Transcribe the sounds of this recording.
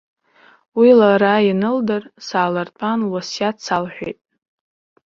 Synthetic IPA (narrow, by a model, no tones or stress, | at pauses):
wilaɾajinɨldɨrsaːlartʰʼanwasjat͡sʰalħʷᶣḛjtʼ